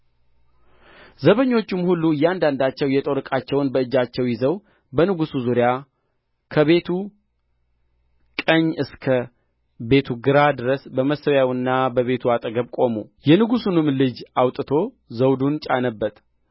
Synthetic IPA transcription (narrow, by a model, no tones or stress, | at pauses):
zəβəɲːo̞t͡ʃːɪmhulːujːɛand̪and̪at͡ʃːɛwjɛt̪ʼoɾɨkʼat͡ʃːɛwnbəɨd͡ʒat͡ʃːɛwjɪzəw | bənɨɡusuzuɾja | kʰəβe̞t̪ʰu | kʼəɲːɨskʰə | be̞t̪ʰuɡɨɾad̪ɨɾəsbəməsəwjawɨnːabəβe̞t̪ʰuat̪ʼəɡəβkʼo̞mujɛnɨɡusunɨmlɨd͡ʒawt̪ʼɨt̪ʰo̞ | zəwd̪unt͡ʃʼa̰nəbːət̪